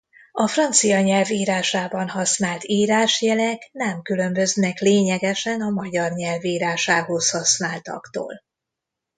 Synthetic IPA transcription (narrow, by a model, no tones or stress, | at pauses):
ɒfrɒnt̪sijɒɲɛlviːɾaːʃaːbɒnhɒsnaːlt̪iːɾaːʃjɛlɛknɛmkylø̞mbø̞znɛkleːɲɛɡɛʃɛnɒmɒɟɒrɲɛlviːɾaːʃaːɦo̞shɒsnaːlt̪ɒ̰kt̪o̰ːl